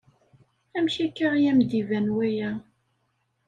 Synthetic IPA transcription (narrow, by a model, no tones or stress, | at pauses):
æmçækːaʁjæmd̪ivænwæjæ